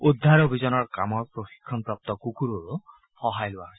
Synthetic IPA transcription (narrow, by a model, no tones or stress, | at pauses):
ud̪ʱːaɾobʱizɔnɔɾkamɔɾpɾoxi̥kʰːɔnpɾap̚t̪ɔkukuɾoɾu | hɔɦajluaɦɔ̥